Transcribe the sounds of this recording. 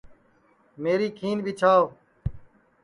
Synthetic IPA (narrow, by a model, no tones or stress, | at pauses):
meːɾiːkʰiːnbʱiːt͡ʃʰaːo